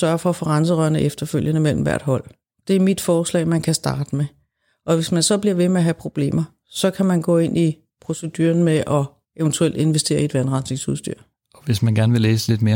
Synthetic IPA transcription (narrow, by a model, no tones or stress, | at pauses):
sɶɐfɒ̽ːfɒ̽ʁɑns̬əʁœɐnəʔefd̥ɐføl̰jənəmel̰m̩ʋæɐ̰d̥ɦɒ̽l̰ | d̥e̝æɐmid̥fɒːslɛ̰ɪmænkʰæsd̥ɑ̈ːd̥əme | ʔɒ̽ʋe̝smænsɒ̽b̥liɐʋe̝meæɦæpʰʁo̝b̥le̝̰ːmɐ | sɒ̽kʰæmænɡ̥ɔ̰ːe̝n̰ʔi | pʰʁo̝səd̥yːɐnmeʔɒ̽ | e̝nt͡sʰuel̰d̥e̝nʋesd̥e̝̰ːɐied̥ʋænʁɑ̈nsne̝ŋsuðˠsd̥y̰ɐ̰ | ɒʋe̝smænɡ̥æɐnəʋe̝leːsəle̝d̥me̝ːɐ